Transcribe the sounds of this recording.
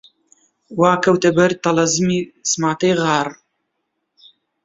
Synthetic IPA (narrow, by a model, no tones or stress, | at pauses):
waːkɐwt̪ɐbɐɾt̪ɐlɐzɨmiːsmaːt̪ɐjɣaːɾ